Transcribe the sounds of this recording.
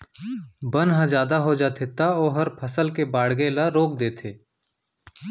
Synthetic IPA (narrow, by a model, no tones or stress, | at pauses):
bɐnɦãd͡ʒjaːd̪aɦod͡ʒaːt̪ʰet̪aɔːɦɐɾpʰɐsəlkebaːɽɡẽlaɾoːk̚d̪eːt̪ʰeː